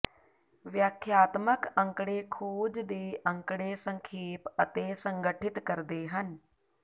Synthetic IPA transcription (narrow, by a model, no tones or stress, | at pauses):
ʋjəkʰjaːt̪məkə̃ŋkɽeːkʰuːd͡ʒd̪eːʔə̃ŋkɽeːsəŋkʰeːpət̪eːsəŋɡəʈʰɪt̪kəɾd̪eːɦən